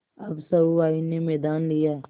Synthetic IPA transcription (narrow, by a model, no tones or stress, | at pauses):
ɐbsɐbuaːinemɛːd̪aːnlɪjaː